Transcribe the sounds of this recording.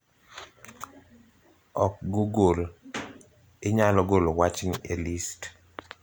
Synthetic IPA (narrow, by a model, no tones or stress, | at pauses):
ɔk̚ɡoɡol | ɪɲalɔɡolowat͡ʃniʔelist